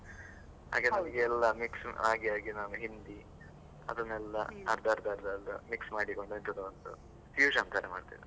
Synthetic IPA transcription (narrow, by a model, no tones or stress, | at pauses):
ha̰ːɡɐenɐmɐɡeɛlːɐmiksaːɡjaːɡinaːʋuɦind̪i | ɐ̰d̪unːɛlːɐ̰ɐ̰ɾd̪ʱaːɾd̪aːɾd̪ɐlːṵmiksmaːɽiko̞ɳɖuint̪ʰɐd̪ɐond̪ṵ | fjuːd͡ʒɐnt̪aɾɐma̰ːɖt̪ḭːd̪e